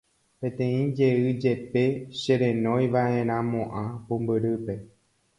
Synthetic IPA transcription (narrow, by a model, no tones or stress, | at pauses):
pẽ̞t̪ẽ̞ĩd͡ʒe̞ɨd͡ʒe̞pe̞ʃeɾẽ̞nõ̞jʋaʔẽ̞ɾ̃ãmõʔãpũmbɨɾɨpe̞